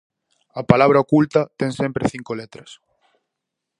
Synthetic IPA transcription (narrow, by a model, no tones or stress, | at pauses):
ɐpalaβ̞ɾɐokult̪ɐt̪ɛŋsẽmpɾeθiŋkolet̪ɾɐs